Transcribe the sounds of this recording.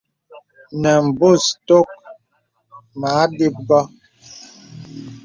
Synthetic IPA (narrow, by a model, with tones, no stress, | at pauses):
nɛ˨m̩˨bu˦˨sto˦k̚ | maː˨˦di˦p̚ɡɔ˦